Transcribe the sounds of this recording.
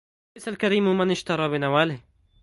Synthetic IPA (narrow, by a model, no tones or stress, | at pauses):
ajsalkaɾiːmmanɪʃt̪ɑɾˤɑːbɪnawaːlɪh